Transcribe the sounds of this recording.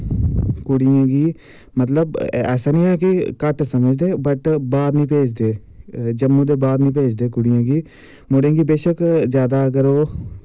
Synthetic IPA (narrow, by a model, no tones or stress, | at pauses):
kʊɽijãːɡiː | mət̪̬ləbɛ̰ːsaːnĩːɦɛːkikəʈsəməd͡ʒd̪eːbəʈbaːɾnĩːpeːd͡ʒd̪eː | d͡ʒəmːõːd̪eːbaːɾnĩːpeːd͡ʒd̪eːkʊɽijãːɡiː | moɽẽːɡiːbeːʃəkzjaːd̪akəɾoː